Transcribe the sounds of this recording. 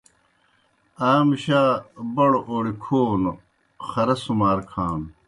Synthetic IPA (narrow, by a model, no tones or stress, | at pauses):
aːmɕaːbɐɽoʔoːɽikʰoːn | xɐɾɐsumaːɾkʰaːn